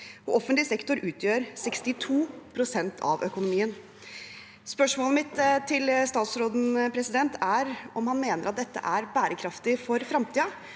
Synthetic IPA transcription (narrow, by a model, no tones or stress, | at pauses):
ɔ̰ʔɔfənt̪lɪsɛkt̪ʊɾʉːt̪ʰjøːɾsɛkst̪ɪt̪ʰuːpʰɾʊsɛnt̪ʰɑ̰ʋʔœkʊnʊmiːən | spœʂmoːləmɪt̪t̪ʰːɪlst̪ɑːt̪sɾoːd̪n̩pʰɾɛsɪd̪ɛnt̪ʰæɾɔmhɑnmeːnəɾɑt̪̚d̪ɛt̪ːə̰ʔæɾbæːɾəkʰɾɑft̪ɪfɔɾfɾɑmt̪ʰiːɑ